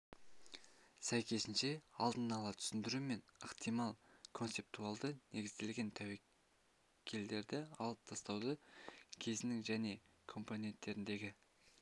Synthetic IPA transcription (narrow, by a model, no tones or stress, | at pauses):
sæjkʲe̞sɪnʃe̞ɑlˠd̪ənɑlˠɑt̪ʰʏ̥sɪnd̪ɪɾume̞nəqt̪ijmɑlˠkʰo̞nt̪ep̚t̪ualˠd̪ənʔe̞ɡʲɪzd̪e̞lɡʲe̞nt̪ʰæwe | kʲʰe̞ld̪e̞ɾd̪ɪɑ̰lˠəp̚t̪ʰɑst̪ɑwd̪əkʲʰe̞zɪnɪŋʒæne̞ | kʰo̞mpo̞ne̞nt̪ːe̞ɾɪnd̪e̞ɡʲɪ